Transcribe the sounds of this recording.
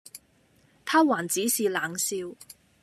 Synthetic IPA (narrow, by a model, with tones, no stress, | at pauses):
t̪ʰaː˥waː˨˩nt͡siː˨˥siː˨laː˨ŋsiː˧w